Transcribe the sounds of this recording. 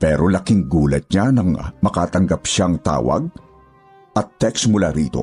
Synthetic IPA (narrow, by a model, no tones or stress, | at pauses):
pɛːɾolɐkɪŋɡuːlɐt̪̚ɲanɐŋmɐkaːt̪ɐŋɡapʃaŋt̪a̰ːwɐ̰ɡ̚ | ɐt̪ːɛksmʊlaɾḭːt̪o̞̰